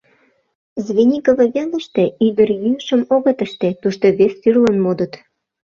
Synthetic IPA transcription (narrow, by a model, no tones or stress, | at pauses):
zβʲenʲikəvə̆βʲenə̆ʃt̪ĕyd̪ərjyəʃəmoɣə̆t̪əʃt̪et̪uʃt̪oβesːyrlənmod̪ə̆t̪